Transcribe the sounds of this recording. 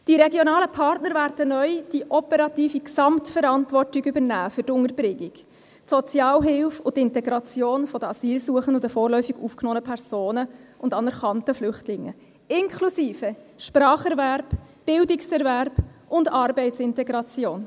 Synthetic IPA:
d̥iɾɛɡjonɑːləpʰɑrtnəɾvæːɾd̥ənœʏd̥iʔɔpɛɾɑtiːfiksɑmtfɛɾɑntvɔrtɪɡʏbəɾnæːfʏrtʊŋəɾbɾɪɡiɡ̥ | tsɔt͡sjɑːlɦɪlfʊtɪntɛɡɾɑt͡sjoːnfɔd̥əɑsiːlsuəχəndʊdəfoːrlœʏfiɡuːfknɔːnəpʰɛɾz̥oːnəʊndɑnɛɾχɑntəflʏχtlɪŋːə̰ | ɪŋkʰlusiːfə | ʃpɾɑːχɛɾvæɾb̥ | b̥ɪldɪksɛɾvæɾb̥ʊndɑɾbɛɪtsɪntɛɡɾɑt͡sjoːn

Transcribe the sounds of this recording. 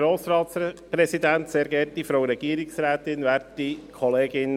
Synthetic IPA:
ɾoːsɾɑːt̪spɾɛsid̪ænt̪seːɾɡɛɾtifɾoʊɾɛɡ̥iːɾɪksɾæːt̪ɪnʋɛːɾtikʰɔleːɡɪn

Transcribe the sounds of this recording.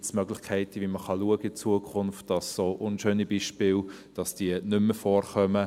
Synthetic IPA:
smœɡlɪχkʰɛɪtəʋiməχɑluəɡəɪt͡suəkʰʊnftd̥ɑsːoːʔʊnʃøːnibiːʃpɪːld̥ɑsd̥iənʏmːəfɔːɾχœmə

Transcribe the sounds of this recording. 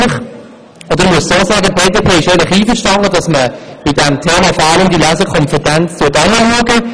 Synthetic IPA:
ɪχ | ɔdəɾmuəssoːsaːɡəpʰeːdeːpʰeːɪʃeːlɪχiːfəɾʃtɑndədɑsməb̥ɪdɛmtʰeːmɑfɔɾɑləmdilæzəkʰɔnfətænt͡stʰutɑnəhɑɡə

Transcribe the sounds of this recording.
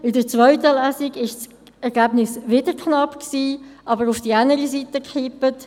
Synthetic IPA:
ɪdəɾt͡svœʏtəlæːsɪɡɪʃs | ɛʁɡæːbnɪsvɪdəkʰnɑpksiːʔɑbəɾʊfd̥ianəɾisitəkχipət

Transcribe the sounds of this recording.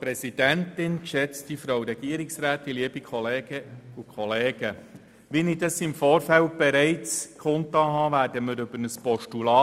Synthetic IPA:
pɾɛsid̥æntɪnkʃɛt͡stifɾowɾɛɡ̥iəɾɪksɾæːt̪iliəb̥ikʰχɔleːɡ̥əukʰɔleːɡ̥ə | ʋinidɑsɪmfɔːɾfælt̚b̥ɛɾɛɪt͡skʰχʊnt̪ɑɦɑːʋæːɾdəməɾɵbəɾnəspɔʃtulɑː

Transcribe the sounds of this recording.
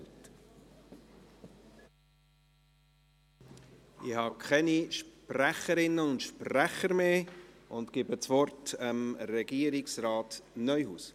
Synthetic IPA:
t | ɪhɑːkʰχɛniʃpræχəɾɪnːəʊntʃpræχəɾmeː | ʊnt̪kɪbət͡sʋɔɾtəmɾɛɡ̥iəɾɪksɾɑːtnœʏhuːs

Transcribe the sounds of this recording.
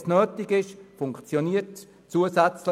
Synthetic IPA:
snøːtiɡɪʃfʊŋkt͡sjoniət | t͡suəsɛt͡slə

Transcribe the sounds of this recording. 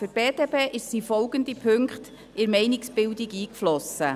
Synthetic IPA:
fyɾtb̥eːd̥eːpeːʔɪʃsiːfɔlɡəndipʰøŋkχt | ɪɾmɛɪnɪksb̥ɪldiɡiːkflɔsə

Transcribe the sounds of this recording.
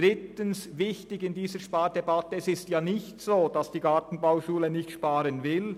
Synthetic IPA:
ɾɪtənsvɪçtɪɡɪndiːzəʃpaːd̥ɛbɑt̪əɛsɪstjaːnɪçtsoːd̥ɑsd̥iːɡɑtn̩bawʃuːlənɪçtʃpɑːɾənvɪl

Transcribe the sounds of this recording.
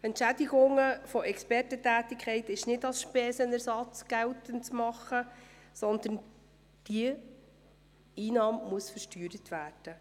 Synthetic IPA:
ɛntʃædiɡʊŋəfɔʔɛkspɛrtətæːtikʰχɛɪtɪʃnɪdɑlsʃpɛːsənæɾsɑt͡sɡ̥ɛltənt͡smɑχːə | sɔnd̪ən | d̥i | iːnɑːmmuəsfəʃtyːɾət̪ʋæːrd̥ə

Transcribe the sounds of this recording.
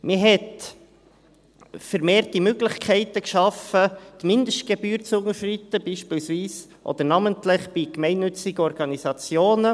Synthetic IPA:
mɪɦɛt | fəɾmeːɾtimøɡlɪχkʰɛɪt̪əkʃɑfət̪mɪnd̪əʃtɡ̥ebyːɾt͡sʊŋəʃrit̪ːəb̥iːʃpiːlsviːs | ʔɔ̰d̪əɾnɑməntlɪχb̥ikmɛɪnːʏt͡sɪɡəɔɾɡɑnisɑt͡sjoːnə

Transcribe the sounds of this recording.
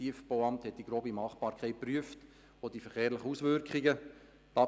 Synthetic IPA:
iəfb̥oʊɑmthɛt̚d̥iɡ̥ɾoːbimɑːχb̥ɑːɾkʰχɛɪt̚pryəft | od̥ifɛχeːɾləχəusʋʏɾkʰɪɡə | tɑ

